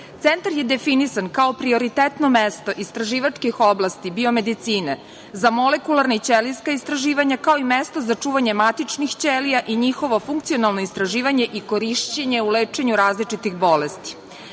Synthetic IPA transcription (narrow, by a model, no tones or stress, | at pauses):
t̪sent̪aɾje̞d̪e̞finisankaopɾio̞ɾit̪et̪nomest̪o̞ʔist̪ɾaʒiːʋat͡ʂkixo̞blˠast̪ibio̞me̞d̪it̪siːne | zamole̞kulaɾnait͡ɕeliskaist̪ɾaʒiːʋaɲakao̞imest̪ozat͡ʂuːʋaɲe̞mat̪it͡ʃnixt͡ɕelijaʔiɲixo̞ʋo̞fuŋkt̪sio̞nalno̞ist̪ɾaʒiːʋaɲe̞ʔiko̞ɾiʃt͡ɕeɲeuleːt͡ʃeɲuɾaːzlit͡ʂit̪ixbo̞lest̪i̥